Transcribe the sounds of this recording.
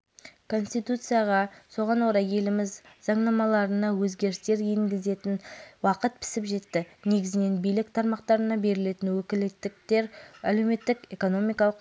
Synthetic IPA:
kʰo̞nst̪ijt̪ut̪sɨjaʁɑso̞ʁɑnwo̞ɾɑjje̞lɪmɪzzɑɴnɑmɑlˠɑɾənɑwɵzɡʲe̞ɾɪst̪e̞ɾeŋɡʲɪze̞t̪ɪnwɑqət̪̚pʰɪ̥sɪpʒe̞t̪ːɪne̞ɡʲɪzɪne̞nbijlɪk̚t̪ʰɑɾmɑq̚t̪ɑɾənɑbe̞ɾɪle̞t̪ɪnwɵkʲɪlɪt̪ːɪk̚t̪e̞ɾælewme̞t̪ːɪke̞ko̞no̞mijkɑlˠəq

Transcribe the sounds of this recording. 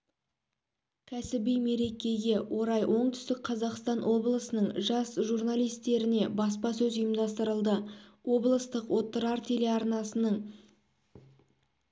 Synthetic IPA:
kʲʰæsɪbijme̞ɾe̞kʲe̞ɡʲe̞wʔo̞ɾɑjwʔo̞ɴt̪ʰʏ̥st̪ɪk̚qʰɑzɑqst̪ɑnwo̞blˠəsənəɴʒɑsʒurnalijst̪e̞ɾɪne̞bɑspɑsɵzʊjəmd̪ɑst̪əɾəlˠd̪əwo̞blˠəst̪əqwo̞t̪ːəɾɑɾt̪ʰe̞le̞ɑɾnɑsənəɴ

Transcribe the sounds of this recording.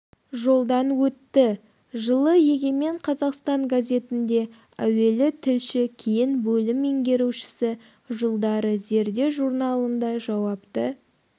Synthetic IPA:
ʒo̞lˠd̪ɑnwɵt̪ːɪ | ʒəlˠəje̞ɡʲeme̞ɴqʰɑzɑqst̪ɑɴɡazʲe̞t̪ɪnd̪e̞ | æwe̞lɪt̪ʰɪlʃɪkʲʰejɪnbɵlɪmeŋɡʲe̞ɾuʃɪ̥sɪ | ʒəlˠd̪ɑɾəze̞ɾd̪e̞wʒuɾnɑlˠənd̪ɑʒɑwɑpt̪ə

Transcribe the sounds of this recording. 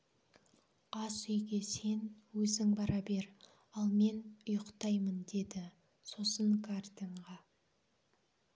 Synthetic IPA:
ɑsʏjɡʲe̞se̞nwɵzɪŋbɑɾɑbe̞ɾ | ɑlˠme̞nʊjəqt̪ɑjmənd̪e̞d̪ɪ | so̞səŋkʰart̪ʲeɴʁɑ

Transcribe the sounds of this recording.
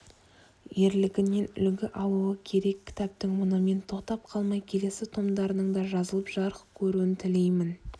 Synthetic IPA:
je̞ɾlɪɡʲɪne̞nʏ̰lɡʲɪʔɑlˠuəkʲʰe̞ɾe̞kʲʰːɪ̥t̪æp̚t̪ɪŋmʊnəme̞nt̪ʰo̞qt̪ɑp̚qʰɑlˠmɑjkʲʰe̞le̞sɪt̪ʰo̞md̪ɑɾənəɴd̪ɑʒɑzəlˠəpʒ̥ɑɾəqkʲʰɵɾuɪnt̪ʰɪle̞jmɪn

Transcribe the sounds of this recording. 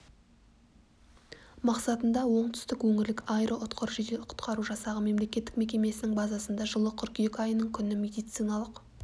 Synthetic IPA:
mɑqsɑt̪ənd̪ɑwo̞ɴt̪ʰʏ̥st̪ɪkwɵŋɪɾlɪkajɾʔoʔʊt̪qʰəɾʒid̪eqʰʊ̥t̪qʰɑɾuʒɑsɑʁəme̞mle̞kʲe̞t̪ːɪ̥k̚me̞kʲe̞me̞sɪnɪŋbɑzɑsənd̪ɑʒəlˠəqʰʏɾkʲjekʲɑjənəɴkʲʰʏnɪme̞d̪ijt̪sɨjnɑlˠəq

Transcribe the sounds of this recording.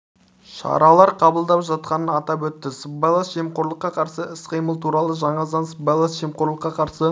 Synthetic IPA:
ʃɑ̰ɾɑlˠɑɾqʰɑbəlˠd̪ɑpʒɑt̪̚qɑnənɑt̪ɑpwɵt̪ːɪsəbɑlˠasʒ̥emqoɾlˠəqːɑqʰɑɾsəɪsqəjməlˠt̪ʰuɾɑlˠəʒɑɴɑzɑnsəbelˠasʒemqoɾlˠəqːɑqʰɑɾsə

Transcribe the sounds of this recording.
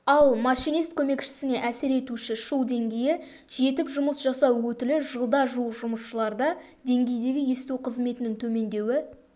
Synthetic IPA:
ɑlˠmɑʃijnijst̪kʲʰɵme̞kʃɪ̥sɪne̞ʔæsɪɾe̞t̪uʃɪʃuwˠd̪e̞ŋɡʲe̞jɪ | ʒe̞t̪ɪpʒʊməsʒɑsɑwwɵt̪ɪlɪʒəlˠd̪ɑʒuʒʊməsʃəlˠɑɾd̪ɑ | d̪e̞ŋɡʲe̞jd̪e̞ɡʲɪje̞st̪uqʰəzme̞t̪ɪnɪŋt̪ʰɵme̞nd̪e̞wɪ

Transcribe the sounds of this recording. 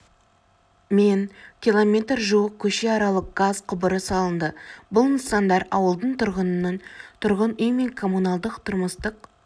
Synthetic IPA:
menkʲilˠo̞mʲe̞t̪rʒuwəq̚kʲʰɵʃe̞ɑɾɑlˠəq̚ɡ̥azqʰʊbəɾəsɑlˠənd̪əbʊlˠnəsɑnd̪ɑɾɑwəlˠd̪əɴt̪ʰʊɾʁənənɑnt̪ʰʊɾʁənʏjme̞ŋkʰo̞munɑlˠd̪əqt̪ʰʊɾməst̪əq

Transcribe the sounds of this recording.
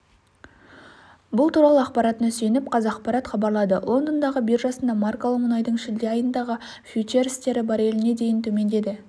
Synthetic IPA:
bʊlˠt̪uɾɑlˠəɑqpɑɾɑt̪ənse̞nɪp̚qʰɑzɑːqpɑɾɑt̪χɑbɑɾlˠɑd̪ə̰lˠo̞nd̪ənd̪ɑʁəbiɾʒɑsənd̪ɑmɑrkolˠəqmʊnɑjd̪əɴʃɪld̪e̞ɑjənd̪ɑʁə | fʲue̞ɾst̪e̞ɾɪbɑɾe̞lɪne̞d̪e̞jɪnt̪ʰɵme̞nd̪e̞d̪ɪ

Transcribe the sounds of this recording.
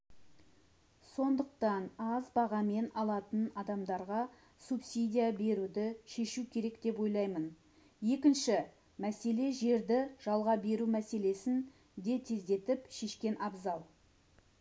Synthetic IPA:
so̞nd̪əqt̪ɑnɑzbɑʁɑme̞nɑlˠɑt̪ənɑd̪ɑmd̪ɑɾʁɑ | supsijd̪ʲijabe̞ɾud̪ɪʃe̞ʃukʲʰe̞ɾe̞kd̪̥e̞pwo̞jlˠɑjmən | je̞kʲɪnʃɪ | mæse̞le̞ʒe̞ɾd̪ɪʒ̥ɑlˠʁɑbe̞ɾumæse̞le̞sɪn | d̪e̞t̪ʰe̞zd̪e̞t̪ɪpʃe̞ʃkʲe̞nʔɑbzɑlˠ

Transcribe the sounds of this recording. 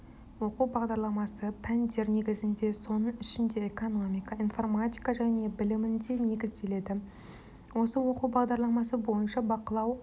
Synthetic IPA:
wo̞quwbɑʁd̪ɑɾlˠɑmɑsəpʰænd̪e̞ɾne̞ɡʲɪzɪnd̪e̞so̞nəɴɪʃɪnd̪e̞eko̞no̞mʲijkɑijnfo̞rmat̪ʲijkɑʒæne̞bɪlɪmɪnd̪e̞ne̞ɡʲɪzd̪e̞le̞d̪ɪ | wo̞səwo̞quwbɑʁd̪ɑɾlˠɑmɑsəbo̞jənʃɑbɑqəlˠɑw

